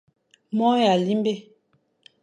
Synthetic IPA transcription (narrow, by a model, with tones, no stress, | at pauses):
mɔ˦ja˨li˦mbe˦˨